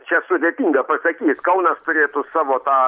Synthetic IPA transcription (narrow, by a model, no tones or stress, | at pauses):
t͡ʃʲɛsʊd̪ʲeːt̪ʲiːŋɡɐpɐsɐkʲiːskɐʊnɐst̪ʊɾʲeːt̪ʊsɑːʋoːt̪ɑː